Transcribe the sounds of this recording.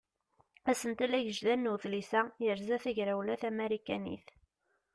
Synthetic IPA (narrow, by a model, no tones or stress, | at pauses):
æsənt̪ælæʝəʒðænːuθlisæjəɾzæθæʝɾæwlæθæmeɾikænḭθ